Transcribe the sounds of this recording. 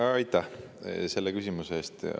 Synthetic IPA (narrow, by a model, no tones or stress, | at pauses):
ɑjt̪ːˑɑh | se̞lːekysʲimuseːst̪